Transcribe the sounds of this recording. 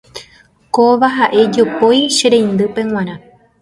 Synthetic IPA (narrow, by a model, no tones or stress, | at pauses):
koʋaɦaʔe̞d͡ʒo̞po̞jʃeɾẽjnd̪ɨpẽ̞w̃ãɾã